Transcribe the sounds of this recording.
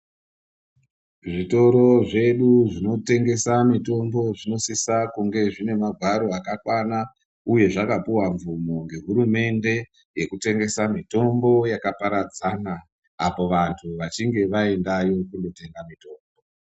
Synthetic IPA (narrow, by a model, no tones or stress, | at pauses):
ʐito̞ɾo̞ʐe̞ɗuʐino̞te̞ŋɡe̞samito̞mbo̞ʐino̞sisakuŋɡe̞ʐine̞maɡʱwaɾo̞akakwana | uje̞ʐakapuwaɱvumo̞ŋɡe̞ɦuɾume̞nde̞ | je̞kute̞ŋɡe̞samito̞mbo̞jakapaɾad͡zana | apo̞ʋantʰuʋat͡ʃiŋɡe̞ʋae̞ndajo̞kundo̞te̞ŋɡamito̞ːmbo̞